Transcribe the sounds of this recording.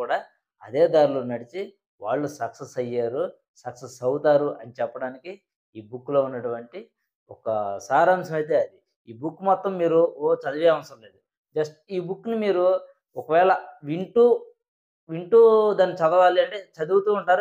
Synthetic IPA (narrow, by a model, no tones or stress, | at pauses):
kuːɽaː | ɐd̪eːd̪aːɾuloːnɐɽit͡ʃi | ʋaːɭːusɐksesɐjːaːɾu | sɐksesɐwt̪aːɾuʔɐnit͡ʃɛpːɐɽaːniki | iːbukːlo̞ːunːɐʈuʋɐɳʈi | ɔkɐsaːɾaːmsɐmɐjt̪̬e̞ːɐd̪i | iːbukːmaːt̪ːɐmːiːɾuoːt͡ʃɐd̪ɐʋiɐmɐsɐmle̞ːd̪u | d͡ʒɐsʈiːbukːnumiːɾu | ɔkɐʋɛːɭɐʋiɳʈuː | ʋiɳʈuːd̪aːnːit͡ʃɐd̪ɐʋaːliɐɳʈe̞ːt͡ʃɐd̪uwut̪uːuɳʈaːɾu